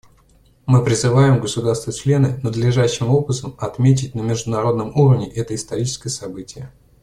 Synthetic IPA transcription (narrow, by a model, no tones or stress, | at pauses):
mɨpɾʲɪzɨvajɪmɡəsʊd̪arst̪vət͡ɕlʲe̞nɨnəd̪lʲɪʐæɕːɪmo̞pɨt̪əmɐt̪mʲet̬ʲɪt̚ʲnəmʲɪʐd̪ʊnɐɾo̞d̪nəmuɾəvnʲɪʔɛt̪əɪst̪ɐɾʲit͡ɕɪ̥skəjəsɐbɨtʲɪjə